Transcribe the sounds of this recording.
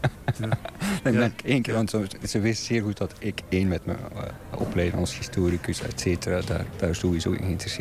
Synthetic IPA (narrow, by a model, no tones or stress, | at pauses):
eɛnkenkːʋɑntɔz̥əʋɪstz̥ɪːrɣut̚dɑtɪkeːnmɛtmə̰ | ɔ̰plɛjdənɔ̰nshistoːɾikəsɛ̰tseːtərada̰ːrd̥aːɹsoʋizo̰ːɪ̰nɪntrəs